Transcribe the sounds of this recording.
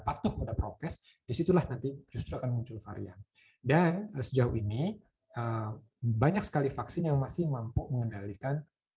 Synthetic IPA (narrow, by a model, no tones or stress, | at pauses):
pat̪ʊkəpadapɾot̪ɛs | d̥isit̪ulahnant̪id͡ʒust̪ɾuakanmuɲt͡ʃʊlfa̰ɾḭa̰n | dansəd͡ʒauini | ə | baɲak̚sə̥kalifaksɪnjaŋmasɪhmampuməŋəndalikan